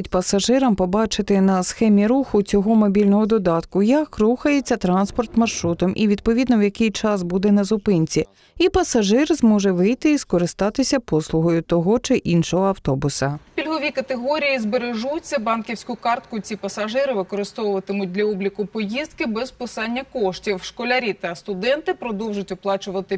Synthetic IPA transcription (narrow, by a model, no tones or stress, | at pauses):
tʲpɐsɐʒɪɾɐmpɔbɑt͡ʃɪt̪ɪnɐsxɛmʲiɾuxʊt͡sʲɔɦɔmɔbʲilʲnɔɦɔd̪ɔd̪ɑt̪kʊjɐkruxɐjet͡sʲːɐt̪ɾɑnspɔrt̪mɐrʃɾut̪ɔmʔḭʋʲid̪̚pɔʋʲid̪nɔwjɐkɪjt͡ʃɑsbud̪ɛnɐzʊpɪnʲt͡sʲi | ipɐsɐʒɪrzmɔʒɛʋɪjt̪ɪiskɔɾɪst̪ɑt̪ɪsʲɐpɔslˠʊɦɔjʊt̪ɔɦɔt͡ʃɪʔinʃɔɦɔɐwt̪ɔbʊsɐpʲilʲɦɔʋʲikɐt̪eɦɔɾʲijizbeɾeʒut͡sʲːɐbɑnkʲiwsʲkʊkɑrt̪kʊt͡sʲipɐsɐʒɪɾɪʋɪkɔɾɪst̪ɔwʊʋɐt̪ɪmʊt̚ʲd̪lʲɐɔblʲikʊpɔjizd̪̚kɪbɛzpɪsɑnʲːɐkɔʃtʲiwʃkɔlʲɐɾʲit̪ɐst̪ʊd̪ɛnt̪ɪpɾɔd̪ɔwʒʊtʲʊplˠɑt͡ʃʊʋɐt̪ɪ